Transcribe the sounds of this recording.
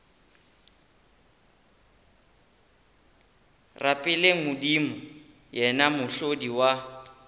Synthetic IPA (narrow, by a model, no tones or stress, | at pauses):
rʔapʼɪleŋ̩ʊdimʊ | jɛnamʊɬodiwa